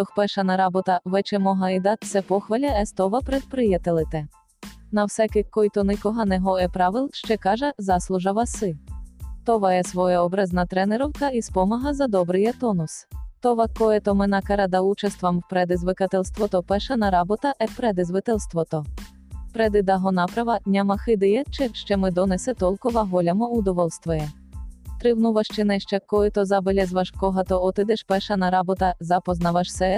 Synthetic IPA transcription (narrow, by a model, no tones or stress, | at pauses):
t̪ɔxpɛʃɐnɐɾɑbɔt̪ɐʋɛt͡ʃɛmɔɦɐjd̪ɑt̪̚t̪sɛpɔxʋɐlʲɐɛst̪ɔʋɐpɾed̪̚pɾɪjɐt̪ɪlˠɪt̪ɛ | nɐwsɛkɪkːɔjt̪ɔnɪkɔɦɑnɛɦɔɛpɾɑʋɪlˠʃt͡ʃɛkɑʒɛzɑslˠʊʒɐʋɐsɪt̪ɔʋɐɛsʋɔjɛɔbɾɛznɐt̪ɾɛneɾɔwkɐispɔmɐɦɐzɐd̪ɔbɾɪjɛt̪ɔnʊst̪ɔʋɐkɔjɛt̪ɔmɪnɐkɐɾɐd̪ɐut͡ʃɐst̪ʋɐmwpɾɛd̪ɪzʋɪkɐt̪ɛlʲst̪ʋɔt̪ɔpɛʃɐnɐɾɑbɔt̪ɐʔɛpɾɛd̪ɪzʋɪt̪ɛlʲˠst̪ʋɔt̪ɔ | pɾɛd̪ɪd̪ɐɦɔnɑpɾɐʋɐnʲɐmɐxɪd̪ɪjɛt͡ʃɛʃt͡ʃɛmɪd̪ɔnɛsɛt̪ɔlˠkɔʋɐɦɔlʲɐmɔʊd̪ɔʋɔlˠst̪ʋɔjɛ | t̪ɾɪwnuʋɐʃt͡ʃɪnɛʃt͡ʃɛkɔjɛt̪ɔzɐbelʲɛzʋɐʃkɔɦɐt̪ɔɔt̪ɪd̪ɛʃpɛʃɐnɐɾɑbɔt̪ɐzɐpɔznɐʋɐʃsɛ